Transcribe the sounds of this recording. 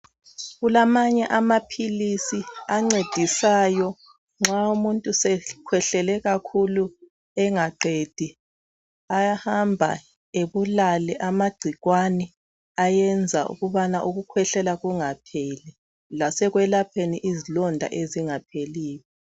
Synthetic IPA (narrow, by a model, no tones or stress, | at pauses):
ɣulamaɲɛʔamapʰilisiaŋ͡ǀed̥ʱisaːjɔ | ŋ͡ǁaumuntʼusɛkʰwɛɬɛlɛɣakʰulu | ɛŋaǃed̥ʱi | ajahambʱa̰ | eβulalɛʔamaɡ͡ǀʱiɣwanɛ | ajɛnd͡zʱaṵɣuβanaʔuɣukʰwɛɬɛlaɣuŋapʰeːli | lasɛɣwɛlapʰeniʔizilɔndʱa̰ʔeziŋapʰeliːjɔ